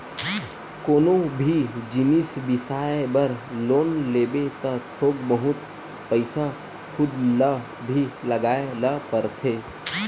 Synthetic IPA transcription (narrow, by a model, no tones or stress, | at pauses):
koːnobʱid͡ʒɪnisbɪsaːebəɾloːnleːbet̪ət̪ʰoːɡbəɦʊt̪ | pəɪsa | kʰʊd̪lə | bʱiləɡaːeləpəɾt̪ʰe